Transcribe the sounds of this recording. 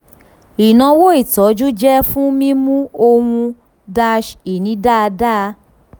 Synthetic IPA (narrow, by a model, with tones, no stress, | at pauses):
i˨nã˧wo˦i˦˨tɔ˨˦d͡ʒu˦d͡ʒɛ˦fũ˦mĩ˦mũ˦o˧hũ˧ | da˧ʃi˨nĩ˨˦da˦˧da˦˧